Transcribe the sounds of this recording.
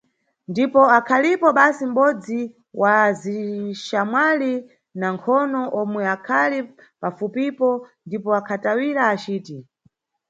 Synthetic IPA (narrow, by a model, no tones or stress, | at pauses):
ndipɔakʰalipɔɓasim̩ɓɔd͡zi | wʔaziʃamwali | naŋkʰɔnɔʔɔmwɛakʰali | pafupipɔndipɔakʰatawiɾaːt͡ʃiːti